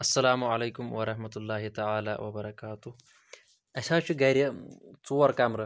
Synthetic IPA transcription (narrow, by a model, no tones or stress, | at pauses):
ɐsːɐlaːmuʕaleːkumwɐɾˤɐħmɐt̪ulːaːɦit̪ɐʕaːla̰ːwɐbɐɾɐkaːt̪uh | ɐsaːt͡ʃʰuɡɐɾʲjɐt͡suwɐɾkamɾɐ